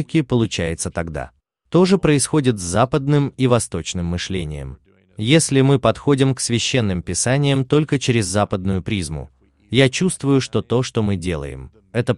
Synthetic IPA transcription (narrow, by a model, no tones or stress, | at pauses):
kʲɪpəlˠʊt͡ɕæjɪt̪sət̪ɐɡd̪a̰ | t̪o̞ʐɨpɾəɪsxo̞dʲɪt̪zzapəd̪nɨmivɐst̪o̞t͡ɕnɨmːɨʂlʲenʲɪ̰jə̰m | jesʲlʲɪmɨpɐt̪xo̞dʲɪmksvʲɪɕːe̞nːɨmpʲɪsanʲɪjəmt̪o̞lʲkət͡ɕɪɾʲɪzːapəd̪nʊjʊpɾʲizmʊ̰ | jat͡ɕust̪vʊjʊʂt̪o̞t̪o̞ʂt̪o̞mɨdʲe̞̰lˠə̰jɪ̰m | ɛt̪ə